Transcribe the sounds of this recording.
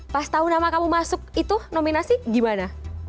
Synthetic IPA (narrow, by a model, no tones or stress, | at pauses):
past̪aʊnamakamumasʊk̚it̪unominasiɡimana